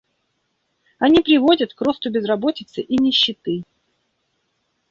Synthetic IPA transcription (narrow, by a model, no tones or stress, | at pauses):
ɐnʲipɾʲɪvo̞dʲət̪kro̞st̪ʊbʲɪzrɐbo̞tʲɪt̪sɨʔinʲɪɕːɪt̪ɨ